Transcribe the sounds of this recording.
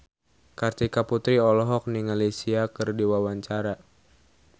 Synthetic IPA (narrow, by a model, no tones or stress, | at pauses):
kart̪ikaput̪ɾiɔlɔɦɔk̚niŋalisiakɨrdiwawaɲt͡ʃaɾa